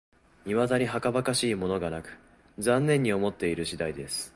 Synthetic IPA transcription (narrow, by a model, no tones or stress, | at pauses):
imad̪aɲ̟iɦakabakaɕiːmo̞no̞ɡanakɯ̟̥ | d͡zãnːẽ̞ɲ̟ːio̞mo̞t̪ːe̞iɾɯ̟ɕid̪aid̪e̞sɨ̥